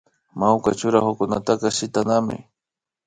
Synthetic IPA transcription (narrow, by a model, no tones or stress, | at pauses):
mawka̰t͡ʃʊɾaxʊkʊnat̪akɑʃɪt̪anamɪ̰